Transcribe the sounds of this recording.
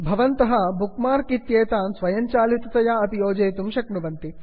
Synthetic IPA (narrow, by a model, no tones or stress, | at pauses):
bʱɐʋɐnt̪ɐɦɐbukmaːɾkit̪jeːt̪aːnsʋɐjɐɲt͡ʃaːlit̪ɐt̪ɐjaɐt̪ijoːd͡ʒɐːt̪umʃɐknuʋɐnt̪i